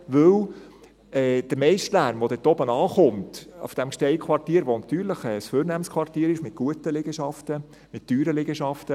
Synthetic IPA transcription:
ʋɵw | ɛːd̥əɾmɛɪʃtlæɾmʋod̪ɛt̪ɔbənɑːχʊmtṵfd̥æmkʃtɛɪkʰχʋɑrtiːəɾʋonɑt̪yːɾləχɛːsføːɾnæmənskʰʋɑrtiːɾɪʃmɪt̚ɡ̥uətəlɪɡ̥əʃɑft̪ə | mɪtd̥yːɾəlɪɡəʃɑft̪ə

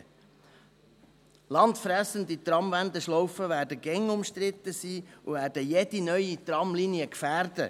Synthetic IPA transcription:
lɑnt̪fɾæsəndit̪rɑmvænd̪əʃlɔwfəvæːɾdəɡɛŋʊmʃtɾɪt̪ːəsiːuvæːrd̥əjɛd̥inœʏit̪rɑmliniəkfæːrdə̰

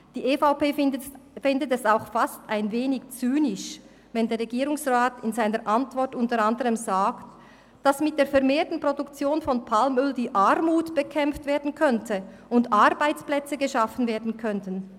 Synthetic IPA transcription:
d̥iːeːfaʊpeːfɪndətɛsaʊxfastaɪnveːnɪkt͡syːnɪʃ | vɛndeːʁʁɛɡiːɾʊŋsʁaːtɪnzaɪnəʔantv̥ɔʁtʊntəʁandəʁəmzaːkt | d̥asmɪt̚d̥eːɐfɛʁmeːtn̩pʁ̥odukt͡sjoːnfɔnpʰalmʏldiːʔaʁmuːtb̥əkʰɛmftv̥eːɐdn̩kʰœntʰə | ʊndʔaʁbaɪt͡splɛt͡səɡəʃafən̩veːɐdn̩kʰœntən

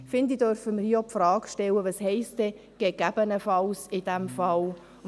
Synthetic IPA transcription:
fɪnd̪id̥̪œɾfəməɾhiːopfrɑːkʃtɛləʋɑshɛɪstɛ | ɡ̥ɛɡæb̥ənəfɑlsɪd̥̪æmfɑl

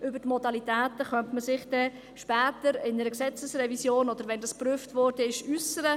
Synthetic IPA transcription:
ʔʏbəɾtmɔdɑlitæːtəχœmtməsɪχd̥ɛ | ʃpæːtəɾɪnəɾəksɛt͡səsrɛvisjoːnɔd̪əɾʋɛndɑspryːftvʋɔrd̥əɪʃysəɾə

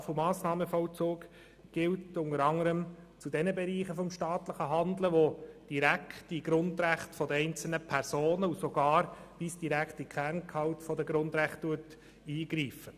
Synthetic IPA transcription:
fɔmɑːsnɑːməfɔlt͡soːk | ɡ̥ɪltʊŋəɾɑŋːəɾəm | t͡sudɛnəbɛɾiːχəfɔmʃtɑːt̪ləχəɦɑnd̪ləʋod̥iɾæktiɡɾʊnd̪ɾæχtfɔdəɛɪnt͡sl̩nəpʰɛɾsoːnəusɔɡ̥ɑːɾʋisd̥iɾæktikχæɾnkʰɑwtfɔdəɡɾʊnd̪ɾæχtːuət | iːɡɾiːfə

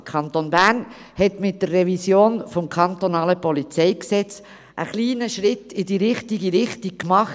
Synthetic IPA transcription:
kʰɑnt̪onbæn | hɛtmɪt̚d̥ərːɛvisjoːnfɔmkʰɑnt̪onɑːləpɔlit͡sɛɪksɛt͡s | ʔəχliːnəʃɾɪtɪdiɾɪχtiɡiɾɪχtik̚kmɑχ

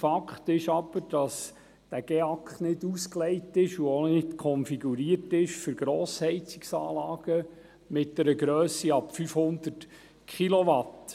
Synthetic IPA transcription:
fɑkχtɪʃɑb̥əɾd̥ɑs | d̥æɡ̥eɑkχnɪdusklɛɪtɪʃuonɪdkʰɔnfiɡuɾiːəɾtɪʃfʏɾɡɾɔːshɛɪt͡sɪ̥ksɑ̰ːlɑːɡ̥ə | mɪt̚d̥ɛɾəɡɾœːsiɑpfyfhʊnd̪ət | kχiloʋɑt

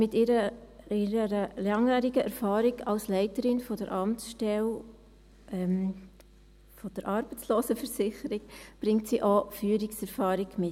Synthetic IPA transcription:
mɪtɪɾəɪɾəɾəlɑŋjæːɾiɡəʔɛɾfɑːɾiɡɑlslɛɪtəɾɪnfɔdəɾʔɑmtsʃtɛl | ɛm | fɔd̥əɾʔɑːɾb̥ət͡sloːsəfəɾsɪχəɾɪɡ̥b̥ɾɪŋtsiːʔofyːəɾiksɛɾfɑːɾɪɡmɪt

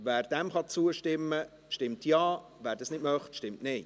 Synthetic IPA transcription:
væːɾd̥ɛmχɑt͡suəʃtɪmːə | ʃtɪmtjɑː | ʋæːɾdɑːsnɪtmœχtʃtɪmtneɪ

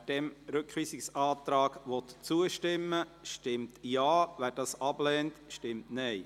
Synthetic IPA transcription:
d̥ɛmɾʏkχʋiːsɪksɑːt̪ɾɑːɡ̥ʋɔt̪t͡suəʃtɪmːəʃtɪmtjɑːʋæːɾd̥ɑːsɑblɛːntʃtɪmtnɛɪ

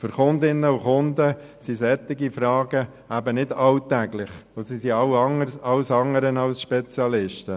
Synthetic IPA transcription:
fʏɾχʊnd̪ɪnːəuχʊnd̪ə | sisɛt̪ːɪɡifɾɑːɡə | æbənɪdɑlt̪æɡlɪχosisiɑwɑŋəɾsɑwsɑŋəɾənɑlsʃpɛt͡sjɑlɪʃtə

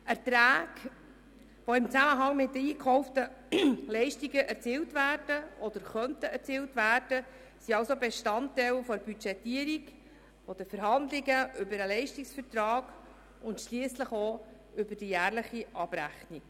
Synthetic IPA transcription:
ɛɾt̪ɾæːɡ̥ | ʋoɪmt͡sæməɦɑŋmɪt̚dəiːkχɔʊftəlɛɪʃtiɡəʔɛɾt͡siːltvæːɾd̥əɔd̪əɾχœntəɛɾt͡siːltvæːɾd̥ə | siɑwsobeʃtɑntːɛɪlfɔɾb̥yt͡ʃɛtːiːəɾik | fɔd̥̪əfəɾɦɑnd̪lɪɡəʔʏbəɾəlɛɪʃtiksfəɾtɾɑːɡ̥ | ʊntʃliəsləχo | ʏbəɾd̥ijæːrləχiɑb̥ɾæxnik

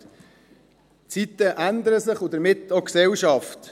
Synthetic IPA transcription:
t͡sit̪əʔænd̪əɾəsɪχudəɾmɪtːoksɛlʃɑft

